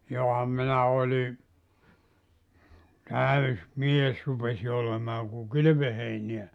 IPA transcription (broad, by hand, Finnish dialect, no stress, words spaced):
johɑm minæ olʲi tæys mies rupesi olemɑː ku kyly̆ʋøheiniæ